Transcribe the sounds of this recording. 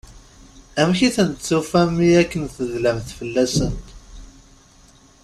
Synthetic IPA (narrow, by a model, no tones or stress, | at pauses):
æmçiθənt͡sːufæmiækːənθəðlæmθfəlːæsənt̪